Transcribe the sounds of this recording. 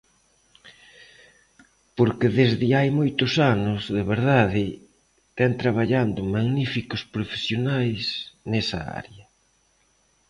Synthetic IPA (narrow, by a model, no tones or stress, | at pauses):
poɾkeðezðɪajmojt̪ʊsanʊzðeβeɾðaðɪ | t̪ɛnt̪ɾaβ̞aʎand̪ʊmaɣnifikʊspɾofe̥sjonajsnɛsɐa̰ɾjɐ